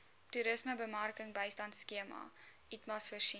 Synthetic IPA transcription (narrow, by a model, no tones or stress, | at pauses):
tuɾəsməbəmɐrkəŋbəjstɐntskiəmɐ̰ | itmɐsfərʃi